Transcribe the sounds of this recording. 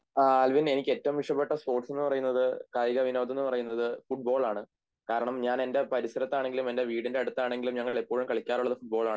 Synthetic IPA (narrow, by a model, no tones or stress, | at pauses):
aːlʋine̞nikʲːe̞ːtːɐʋumʋiʂɐpːe̞ʈːɐspo̞ːrʈːse̞nːɨpɐrɐjunːɐðɨkaːjiɣɐʋinoːt̪̬ːenːɨpɐrɐjunːɐðɨfuʈ̚bo̞ːɭaːɳɨ | kaːɾɐɳɐmɲaːne̞nde̞pɐɾisɐɾɐt̪ːaːɳe̞ŋɡilume̞nde̞ʋiːɽinde̞ɐɽut̪ːaːɳe̞ŋɡilumɲɐŋːɐɭepːo̞ːɻumkɐɭikʲːaːruɭːɐðɨfuʈ̚bo̞ːɭaːɳɨ